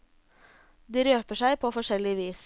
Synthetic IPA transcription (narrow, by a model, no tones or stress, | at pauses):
d̪iːɾøːpəʂæɪpʰoːfɔʂɛlɪəʋiːs